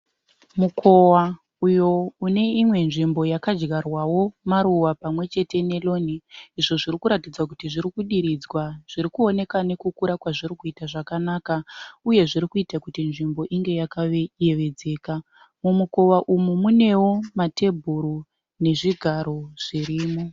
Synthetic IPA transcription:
mukʰo̞wa | ujo̞une̞imwe̞nʐimbo̞jakad͡ʒɡarwawo̞maɾuwapamwe̞t͡ʃe̞te̞ne̞lo̞niiʐo̞ʐiɾikuɾatid͡zakutiʐiɾikuɗiɾid͡zwaʐ̥iɾikuo̞ne̞kane̞kukuɾakwaʐiɾikuitaʐakanakauje̞ʐiɾikuitakutinʐimbo̞ʔiŋɡe̞jakaeje̞ʋe̞d͡ze̞ːka | mumuko̞waʔumumune̞wo̞mate̞bʱuɾu | ne̞ʐiɡʱaɾo̞ʐ̥iɾiːmo̞

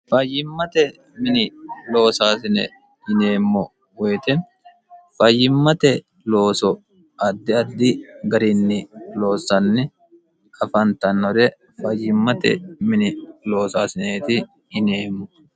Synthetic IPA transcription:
fɐjːɪmːɐt̪ɛ | mɪnɪlo̞ːsaːsɪnɛ̰ | ɪne̞ːmːɔ | wɔjt̪ɛ | fɐjːɪmːɐt̪ɛ | lo̞ːsɔ | ɐd̪ːɪɐd̪ːɪɡɐɾɪnːɪlo̞ːsɐnːɪ | ɐfɐnt̪ɐnːɔɾɛ | fɐjːɪmːɐt̪ɛ̰mɪnɪlo̞ːsaːsɪneːt̪ɪ | ɪneːmːɔ

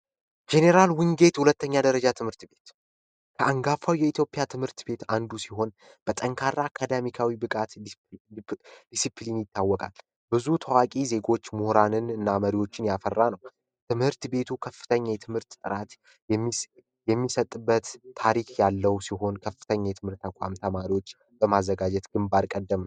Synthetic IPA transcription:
d͡ʒe̞neɾalwɨŋɡe̞t̪hulət̪ːəɲːad̪əɾəd͡ʒat̪ʰɨmhɨɾt̪be̞t̪ | kʰəaŋɡafawjɛit̪ʰjo̞pʼijat̪ʰɨmhɨɾt̪be̞t̪and̪usiɦo̞n | b̥ət̪ʼəŋkʰaɾːaːkʰad̪amikʰawibɨkʼat̪ | d̪isipʰlinjɪt̪ʰːawːɔkʼa̰l | bɨzut̪ʰəwakʼize̞ɡo̞t͡ʃːmʊhɾanɨnɨnːaməɾiwo̞t͡ʃːɪnjafərːanəw | t̪ʰɨmhɨɾt̪be̞t̪ʰukʰəfːɨ̥t̪ʰəɲːajɛt̪ʰɨmhɨɾt̪ːʼɨɾat̪ː | jɛmːisət̪ʼːɨbːət̪ʰːaɾikʰjalːəwsiɦo̞nkʰəfːɨ̥t̪ʰəɲːajɛt̪ʰɨmhɨɾt̪ːakʷʼa̰mt̪ʰəmaɾiwo̞t͡ʃː | bəmazːəɡad͡ʒɛt̪ɡ̥ɨmbaɾkʼəd̪ːəmn

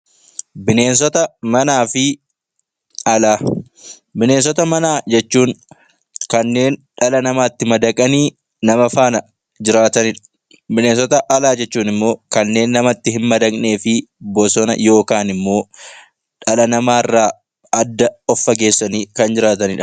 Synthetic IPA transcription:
bɪne̞ːns̬ɔt̪ɐmɐnaːfɪ | ɐlaː | bɪne̞ːns̬ɔt̪ɐmɐnaːd͡ʒɛt͡ʃːuːŋ | kɐnːe̞ːnᶑɐlɐnɐmaːt̪ːɪmɐd̪ɐkʼɐniː | nɐmɐfaːnɐ | d͡ʒɪɾaːt̪ɐnɪᶑɐ̥ | bɪne̞ːnsɔt̪ɐʔɐlaːd͡ʒɛt͡ʃːuːnɪmːo̞ːkɐnːe̞ːnːɐmɐt̪ːɪɦɪnmɐd̪ɐkʼne̞ːfɪbɔsɔnɐ̰jo̞ːkaːnɪmːo̞ː | ᶑɐlɐnɐmaːɪrːaː | ɐd̪ːɐɔfːɐɡe̞ːsːɐniːkɐnd͡ʒɪɾaːt̪ɐnɪᶑɐ̥

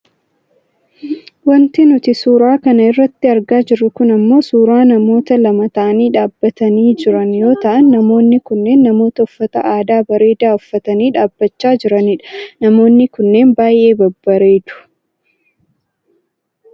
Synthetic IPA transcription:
wɐnt̪ɪnʊt̪ɪsuːɾaːkɐnɐɪrːɐt̪ːɪɐɾɡaːd͡ʒɪɾʊkʊnɐmːo̞ːsuːɾaːnɐmo̞ːt̪ɐlɐmɐt̪ɐʔɐniːᶑaːbːɐt̪ɐniːd͡ʒɪɾɐnjo̞ːt̪ɐʔɐnːɐmo̞ːnːɪkʊnːe̞ːnːɐmo̞ːt̪ɐʊfːɐt̪ɐ̰ʔaːd̪aːbɐɾe̞ːd̪aːʊfːɐt̪ɐniːᶑaːbːɐt͡ʃːaːd͡ʒɪɾɐniːᶑɐ̥nɐmo̞ːnːɪkʊnːe̞ːnbaːjʔe̞ːbɐbːɐɾe̞ːd̪̥ʊ̥

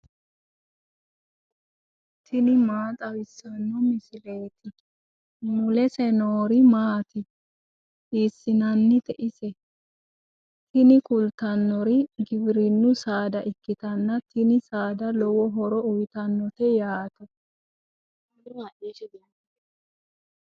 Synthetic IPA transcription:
t̪ʰɪnɪmaːt̪ʼɐwɪsːɐnːɔmɪsɪleːt̪ɪ | mʊlɛsɛnoːɾɪmaːt̪ɪ | iːsːɪnɐnːɪt̪ɛʔɪsɛ | t̪ɪnɪkʊlt̪ɐnːɔɾɪɡɪbɪɾɪnːʊsaːd̪ɐʔɪkːɪt̪ɐnːɐt̪ɪnɪsaːd̪ɐlɔwɔɦɔɾɔʊjt̪ɐnːɔt̪ɛjaːt̪ɐ

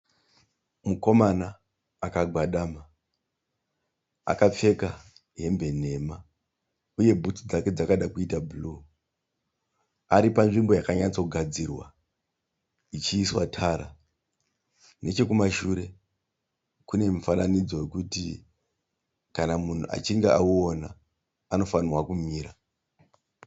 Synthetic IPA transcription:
muko̞manaː | kaɡʱwaɗaːma | a̰kap͡fe̞ka | ɦe̞mbe̞n̤e̞ma | uje̞bʱutud͡zake̞d͡zakaɗakuitabuluː | aɾipanʐimbo̞jakaɲat͡sokuɡʱad͡zirwa̰ | it͡ʃiːswatʰaːɾa̰ | ne̞t͡ʃe̞kumaʃuɾe̞ | kune̞mifananid͡zo̞je̞kuti | kanamun̤ṵʔa̰t͡ʃiŋɡeʔauo̞na | ano̞fanirwakumiːɾa

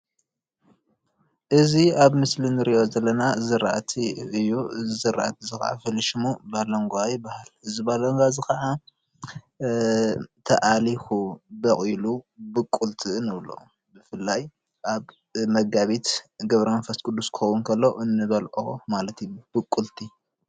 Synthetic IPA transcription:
ʔɨziaβmɨslinɨɾiʔo̞zɐlːɐnazɨɾaʔat̪ʰiɨjːuzzɨɾːa̰ʔat̪ʰizɨxɐ̰ʔa̰fɨliʃimubalɐŋɡʷajɪbːahalɨzibalɐŋɡʷazɨxɐʔa | t̪ʰɐ̰ʔalixubɐχʼilubɨkʼːult̪ʰɨnɨβlo̰ | bɨfɨlːaj | ʔaβ | mɐɡaβit̪ɡɐβɾɐmɐnfɐst̪kʰʼud̪ːuskʰɨ̥xɐwunkʰɐlːo̞ʔɨnːɨβɐlʔomalɐt̪ijub̥ɨkʼːult̪ʰi

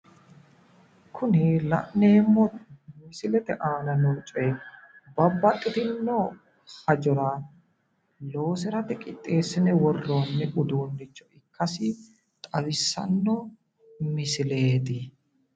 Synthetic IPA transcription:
kʰʊnɪlɐ̰ʔneːmːɔmɪsɪlɛt̪ɛʔaːnɐnɔlt͡ʃʼɔjbɐbːɐt̪ʼːɪt̪ɪnːɔ | hɐd͡ʒɔɾɐ | lo̞ːsɪɾɐt̪ɛkʼɪt̪ʼːe̞ːsːɪnɛwɔrːo̞ːnːɛʊd̪uːnːɪt͡ʃːɔɪkʰːɐsɪ | t̪ʼɐwɪsːɐ̰nːɔ | mɪsɪle̞ːt̪ɪ

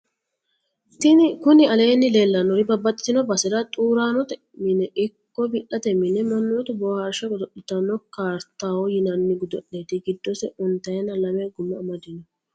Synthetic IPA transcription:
t̪ɪkʊnɪɐle̞ːnːɪleːlːɐnːɔɾɪbɐbːɐt̪ʼːɪnɔbɐsɛd̪ɐt̪ʼuːɾaːnɔt̪ɛ | mɪnɛʔɪkːɔbɪʔɐt̪ɛmɪnɛmɐnːot̪ɛbɔhaɾʃɐɡʊd̪ɔʔɪt̪ɐnːɔkaːɾt̪ːaːwɔjɪnɐnːɪɡʊd̪ɔɗːeːt̪ɪɡɪd̪ːɔsɛʔʊnt̪ɐjɛnːɐlɐmɛɡʊmːɐmɐd̪ɪnɔ

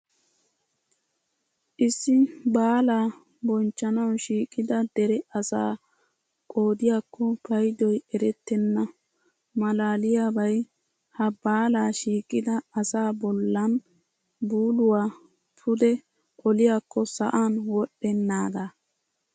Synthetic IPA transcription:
ʔɪsːɪbaːlaː | bɔnt͡ʃːɐnɐwʃiːkʼːɪd̪ɐd̪ɛɾɛʔɐsa̰ː | kʼo̞ːd̪ɪjaːkːɔpʰɐjd̪ɔjɛɾɛt̪ːɛnːɐ | mɐlaːlɪjaːbɐj | hɐbaːlaːʃiːkʼːɪd̪ɐːsaːbɔlːɐn | buːlʊwaː | tʰʊd̪ɛ | ʔɔlɪjaːkːɔsɐ̰ʔaːnwɔɗːɛnːaːɡ̪a

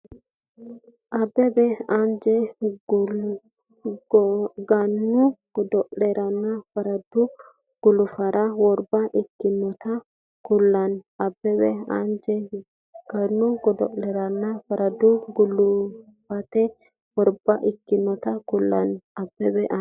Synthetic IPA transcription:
ʔɐbɛbɛɐnd͡ʒɛ | ɡɐnːʊɡ̥ɔd̪ɔʔlɛɾɐnːɐfɐɾɐd̪ʊ | ɡ̥ʊlʊfɐɾɐwɔɾbɐʔɪkːɪnːɔt̪ɐ | kʊlːɐnɐbɛbɛɐ̰nd͡ʒɛ | ɡ̥ɐnːʊɡɔd̪ɔ̰ʔlɛɾɐnːɐfɐɾɐd̪ʊɡʊlʊ | fɐt̪ɛ | wɔɾbɐʔɪkːɪnːɔt̪ɐkʊlːɐ̰nɐbːɛbɛʔɐ

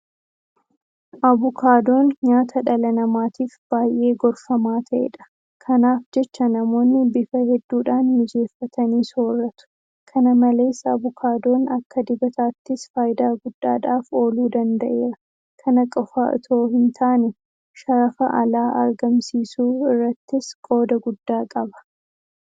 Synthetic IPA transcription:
ʔɐβʊkʰaːd̪o̞ːnɲaːt̪ʰɐᶑɐlɐnɐmaːt̪iːfb̥aːjʔe̞ːɡɔɾfɐmaːt̪ʰɐʔɛ̰ᶑɐ̥ | kʰɐnaːfd͡ʒɛt͡ʃːɐnɐmo̞ːnːɪbɪfɐhɛd̪ːuːᶑaːnmɪd͡ʒe̞ːfːɐt̪ɐniːsoːrːɐt̪ʊ̥ | kʰɐnɐmɐle̞ːsabʊkʰaːd̪o̞ːnɐkːɐd̪ɪbɐt̪aːt̪ːɪsfaːjɪd̪aːɡʊd̪̥ːa̰ːᶑaːfo̞ːluːd̪ɐnd̪ɐʔe̞ːɾɐ | kʰɐnɐkʼɔfaːɔ̰t̪ʰo̞ːhɪnt̪ʰaːnɛ | ʃɐɾɐfɐʔɐlaːʔɐ̰ɾɡɐmsiːsuːɪrːɐt̪ːɪskʼo̞ːd̪ɐɡʊd̪ːaːkʼɐbɐ̥

